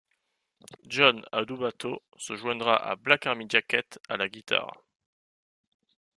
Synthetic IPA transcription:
ʒɔna̰d̪ubat̪o | səʒwɛ̃d̪ʁaʔa̰blakaʁmid͡ʒakʲɛt̪alaɡʲit̪ʰa̰ʁ

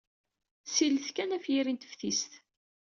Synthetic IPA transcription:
siləθkænæfjiɾint̪ə̥fθist̪

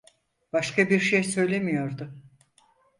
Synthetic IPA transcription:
b̥aʃkʰabiɾʃejsø̞jlʲemijo̞ɾd̪ʊ

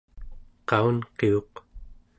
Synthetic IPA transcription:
qɑunqeo̞q

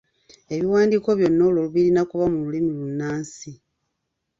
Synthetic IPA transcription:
e̞βiwaːndiːko̞βjo̞nːoːloluβiɾinakuβamululimilunːaːnsi

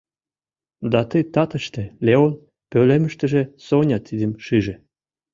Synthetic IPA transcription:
d̪ɑt̪əjt̪ɑt̪ə̆ʃt̪elʲeon | pølemə̆ʃt̪ə̆ʒĕsonʲɑt̪ːid̪ə̆mʃyʒĕ

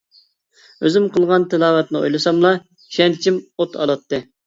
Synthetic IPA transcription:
øzɪmqəlˠʁɑnt̪ʰɪlˠɑːvɛt̪nɨo̰jlˠɨsɑmlˠɑ | ʃɛnt͡ʃʰimot̪ʰɑ̰lˠɑt̪ːɨ

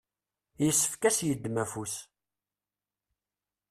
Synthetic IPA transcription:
jəsːə̥fkæsjəd̪ːmæfus

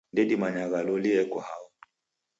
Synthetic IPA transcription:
ndɛdimaɲaɣalɔliɛkɔha̰wɔ

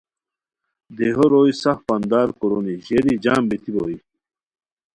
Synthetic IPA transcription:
d̪eɦoɾoːisɐxpɐnd̪aːɾkoɾoniʑeɾid͡ʑaːmbet̪iɾo̰ːi

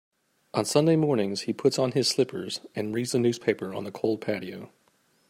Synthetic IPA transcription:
ʔə̃nsʌ̃ndeɪmɔɹnɪ̃ŋz̥hipʰʊtsn̩ɪz̥slɪpʰə˞zɨ̃nɹidzɨnʉz̥pʰeɪpə˞ə̰̃nðɨkʰoʊlˠd̚pʰæɾioʊ

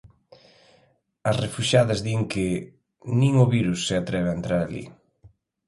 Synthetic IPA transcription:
ɐsrefuʃaðɐzðiŋkɪ | nĩŋʊβiɾusːɪat̪ɾɛβeaent̪ɾaɾalḭ

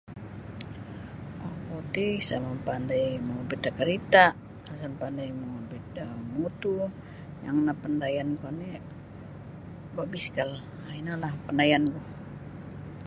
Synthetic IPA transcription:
ʔakot̪isalampandajmobid̪akəɾit̪a | asampandajmobit̪amut̪u | ja̰ŋnapəndajankani | babiskal | ainalahpəndajanɡuh

